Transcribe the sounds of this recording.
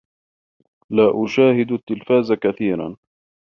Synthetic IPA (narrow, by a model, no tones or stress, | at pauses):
laːʔʊʃaːhɪd̪t̪ːɪlfaːzakaθiːɾa̰n